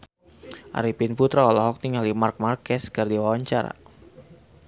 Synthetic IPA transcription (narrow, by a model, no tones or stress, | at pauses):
ʔa̰ɾipinput̪ɾaɔlɔɦɔk̚niŋalimark̚markɛskardiwawaɲt͡ʃaɾa̰